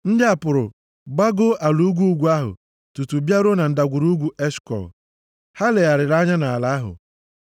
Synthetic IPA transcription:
n̩˦dɪ˦a˨pʊ˨ɾʊ̰˨ | ba˦ɡo˦ʔa˨lu˦ɡʷu˦ɡʷu˨˦a˦ɦʊ̰˨ | tu˨tu˨bja˦ɾo˦na˨n̩˨da˨ɡʷu˨ɾu˦ɡʷu˨e˦skɔ̰˨l | ha˦le˨ɣa˨ɾɪ˨ɾa˦ɲa˦na˨a˨la˨˦ɦʊ̰˨

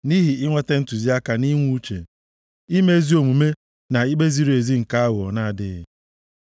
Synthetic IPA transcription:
ni˦ɦi˨ɪ˦ŋʷe˦te˦n̩˦tu˨zi˦a˦ka˨ni˦ŋʷu˦u˦t͡ʃḛ˨ | i˦me˦zi˦o˨mu˨me˦ | na˨i˦be˦zi˦ɾe˨zi˦ŋ̩˨ka˦a˦wʊ˨ɔ˨na˦a˨dɪ̰˨˦˨

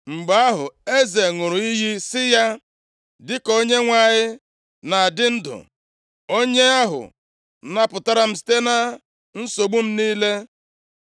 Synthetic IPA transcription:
ŋ͡m̩˨ɡ͡ba˦ɦʊ˨e˦ze˨ŋʊ˨ɾʊ˨i˦ɦi˦sɪ˦ja˦ | dɪ˦ko˦ɲe˦ŋʷa˨ɲɪ˦ | na˨dɪ˦n̩˦dʊ̰˨ | o˦ɲe˦a˦ɦʊ̰˨ | na˦pʊ˨ta˦ɾa˨m̩˦s̬i̥˦te˦na˦ | n̩˦so˨ɡ͡bu˦m̩˦niː˦le˦

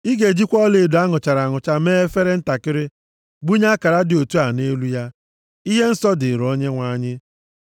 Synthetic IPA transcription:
i˦ɡe˨d͡ʒi˦kʷɔ˦le˨da˦ŋʊ˨t͡ʃa˨ɾa˨ŋʊ˨t͡ʃa˦meː˦e˦fe˦ɾe˦n̩˦ta˨kɪ˦ɾɪ˦ | ɡ͡bu˦ɲa˦ka˨ɾa˦dɪ˨o˨tu˦a˨ne˦lu˦ja˦ | i˦ɦe˦n̩˦sɔ˦dɪ˨ɾo˦ɲe˦ŋʷa˨˦ɲɪ˦

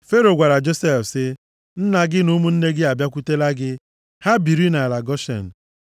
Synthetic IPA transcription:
fe˦ɾo˨ɡʷa˨ɾa˨d͡ʒo˦sɛ˦˨fsɪ˦ | n̩˦na˦ɡɪ˦nu˦mu˦n̩˦ne˦ɡɪ˦a˨bja˦k̬ʷu˦te˦la˦ɡɪ˦ | ha˦bi˨ɾi˦na˨la˨ɡɔ˦ʃḛ˨n̩˨

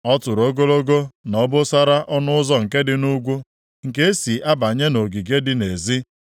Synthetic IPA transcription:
ɔ˦tʊ˨ɾo˦ɡo˦lo˦ɡo˦nɔ˦bʊ˦sa˦ɾa˦ʔɔ˦nʊ˦ʊ˦zɔ˦ŋ̩˨ke˦dɪ˨nu˦ɡʷu˦ | ŋ̩˨ke˦e˦si˨ʔa˦ba˨ɲe˦no˨ɡi˨ɡe˦dɪ˨ne˨zi˦

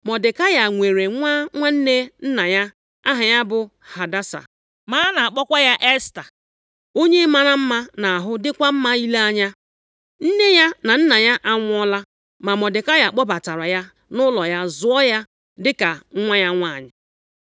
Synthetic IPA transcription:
mɔ˨dɪ˨ka˦ja˨ŋʷe˨ɾe˨˦ŋʷa˦ŋʷa˦n̩˦ne˦n̩˦na˨ja˦ | a˦ɦa˨ja˦bʊ˨ | ha˨da˦sa̰˨ | ma˨˦na˨a˨k͡pɔ˦kʷa˦ja˦ʔe˦sta˨ | o˦ɲe˦ma˨ɾa˦m̩˦ma˦na˨a˨ɦʊ˦dɪ˦kʷa˦m̩˦ma˦i˦le˦a˦ɲa˦ | n̩˦ne˦ja˦na˨n̩˦na˨ja˦ʔa˦ŋʷʊ˦ɔ˦la˦ | ma˨mɔ˨dɪ˨ka˦ja˨a˨k͡pɔ˦ba˨ta˨ɾa˨ja˦ | nʊ˦lɔ˨ja˦zʊ˨ɔ˦ja˦ | dɪ˦ka˨ŋ̩˦ŋʷa˦ja˦ŋʷa˦˨ɲɪ˨

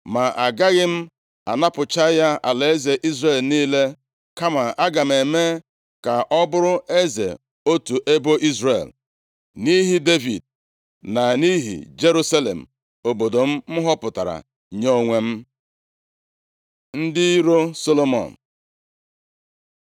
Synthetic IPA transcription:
ma˨ʔa˨ɡa˦ɣɪ˦m̩˦ | a̰˨na˦pʊ˨t͡ʃa˦ja˦a̰˨le˦ze˨ʔi˦zɾe˨lniː˦le˦ | ka˦ma˨ʔa˦ɡa˨m̩˨e˨me˦ | ka˨ʔɔ˦bʊ˦ɾʊ˦e˦zḛ˨ | o˦tu˨ʔe˦bo˦ʔi˦zɾḛ˨l | ni˦ɦi˦de˦vḭ˨d̚ | na˨ni˦ɦḭ˨d͡ʒe˦ɾu˦sa˦lḛ˨m̩˨ | o˨bo˨do˨m̩˦m̩˦ɦɔ˦pʊ˨ta˨ɾa̰˨ | ɲo˦ŋʷe˦m̩˦ | n̩˦dɪ˦ɾo˦so˦lo˦mɔ̰˨n̩˨

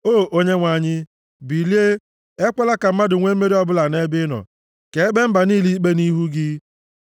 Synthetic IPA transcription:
oː˦˨o˦ɲe˦ŋʷa˨ɲɪ˦ | bi˨li˦e˦ | e˦k͡pɔ˦la˦ka˨m̩˦ma˦dʊ˨ŋʷe˦me˦ɾi˦ɔ˦bʊ˦la˨ne˦bɪ˦nɔ̰˨ | ke˨e˦be˦m̩˦ba˨niː˦li˦k͡pe˦ni˦ɦu˦ɡɪ˦

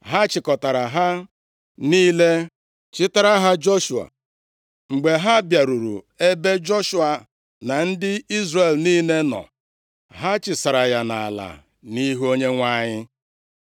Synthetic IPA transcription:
ɦa˦t͡ʃɪ˨kɔ˨ta˨ɾa˨ɦa˦ | niː˦le˦ | t͡ʃɪ˦ta˦ɾa˦ɦa˦d͡ʒo˦ʃu˨a̰˨ | ŋ͡m̩˨ɡ͡be˨ɦa˦bja˨ɾu˨ɾṵ˨ | e˦be˦d͡ʒo˦ʃu˨a˨ | na˨n̩˦dɪ˦i˦zre˨lniː˦ne˦nɔ̰˨ | ɦa˦t͡ʃɪ˨sa˨ɾa˨ja˨na˨a̰˨la̰˨ | ni˦ɦu˦o˦ɲe˦ŋʷa˦ɲɪ˦

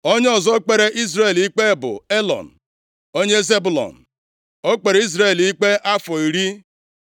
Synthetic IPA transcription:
o˦ɲ˦ɔ˨zk͡pe˨ɾe˨ʔi˦zɾe˨li˦k͡pe˦˨bʊ̰˨e˦lɔ̰˨n̩˨ | o˦ɲe˦ze˦bʊ˨lɔ̰˨n̩˨ | o˦k͡pe˨ɾe˨˦i˦zɾe˦˨li˦k͡pe˦ʔa˦fɔ˨i˨ɾi˦

